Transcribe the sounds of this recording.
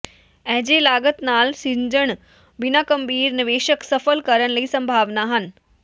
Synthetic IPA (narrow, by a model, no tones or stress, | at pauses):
ɛɦd͡ʑelaːɡət̪naːlsiɲd͡ʑəɳ | ʋinakəmbʱiːɾniʋeːʃəksəfəlkəɾəɳləiːsɐ̃mbʱaːʋnaɦən